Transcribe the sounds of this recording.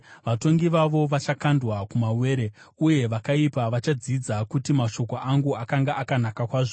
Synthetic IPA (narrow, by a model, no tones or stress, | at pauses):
ʋato̞ŋɡiʋaʋo̞ʋat͡ʃakandwakumawe̞ːɾe̞ | uje̞ʋakaipaʋat͡ʃad͡zid͡zakutimaʃo̞koʔaŋɡuakaŋɡaakanakakwaːʐo